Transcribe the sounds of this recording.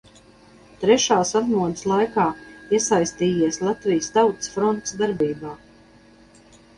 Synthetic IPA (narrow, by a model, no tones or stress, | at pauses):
t̪ɾɛʃaːsazmuɔd̪ɨ̥slˠajkaːiɛsajst̪iːjiɛslˠat̪vʲijst̪awt̪sfɾɔnt̪sd̪aɾbiːbaː